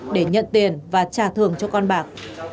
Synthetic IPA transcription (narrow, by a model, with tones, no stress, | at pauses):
ɗe˧˩ɲə̰˧˨nt̪i˨˩ənvaː˨˩t͡ɕaː˧˩t̪ʰɨ˨˩əŋt͡ɕɔ˧kɔ˧nɓaː˨˩k̚